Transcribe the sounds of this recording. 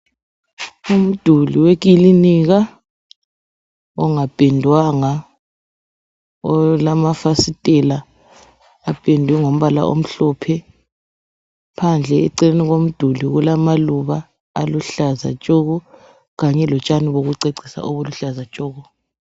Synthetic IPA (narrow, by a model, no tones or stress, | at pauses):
um̩d̥ʱuliweɣ̬iliniɣa | ɔŋab̥ʱʼendʱwaŋa | ɔlamafasitʼɛlaː | pʼendʱwɛŋom̩βala̰ʔo̰m̩ɬɔːpʰɛ | pʰand͡ɮʱɛɛ̰ǀɛleniɣom̩d̥ʱuliɣulamaluβaː | luɬaza̰t͡ʃʼɔɣɔ | ɣaɲɛlɔt͡ʃʼaniβoɣuǀeǀi̥sa̰ʔoβuluɬazat͡ʃʼoːɣɔ